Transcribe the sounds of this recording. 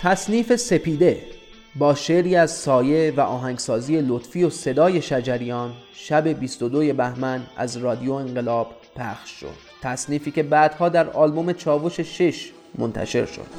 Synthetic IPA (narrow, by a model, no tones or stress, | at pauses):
t̪ʰæsniːfe̞sepiːd̪e̞ | bɒːʃeɾiːæzsɒːje̞væʔɒːɦæŋɡsɒːziːe̞lot̪fijo̞se̞d̪ɒːje̞ʃæd͡ʒæɾijɒːn | ʃæbe̞bist̪od̪oje̞bæhmænæ̰zrɒːd̪ijo̞eŋɢe̞lɒːb̥ | pʰæxʃːo̰d̪̥̚t̪ʰæsniːfiːkcʰe̞bæːd̪̥hɒːd̪æɾɒːlbo̞me̞t͡ʃʰɒːvo̞ʃe̞ʃeʃ | mo̰nt̪ʰæ̰ʃe̞̰ɾʃo̰d̪̥